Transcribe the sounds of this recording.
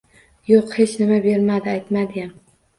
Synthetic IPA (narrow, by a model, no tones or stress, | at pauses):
joqhe̞t͡ʃnɪmabe̞ɾmad̪ɪajt̪mad̪ɪɡʲam